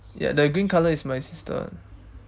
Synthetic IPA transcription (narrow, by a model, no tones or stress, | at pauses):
ja̰dəɡɹĩnkʰaləismajsistʰə̰